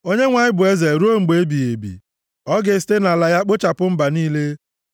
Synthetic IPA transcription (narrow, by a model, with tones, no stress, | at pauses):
o˦ɲe˦ŋʷa˨ɲɪ˦bʊ˨e˦ze˨ɾu˦o˦ŋ͡m̩˨ɡ͡be˨e˦bi˨e˨bḭ˨ | ɔ˦ɡe˨˦ste˦na˨la˨ja˦k͡pʊ˦t͡ʃa˨pʊ˦m̩˦ba˨niː˦le˦